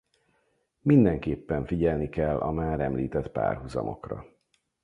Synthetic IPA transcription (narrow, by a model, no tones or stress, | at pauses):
mind̪ɛŋkeːpːɛɱfiɟɛlnikɛlːʔɒmaːɾɛmliːt̪ɛt̪pa̰ːrɦuzɒ̰mʔo̞̰krɒ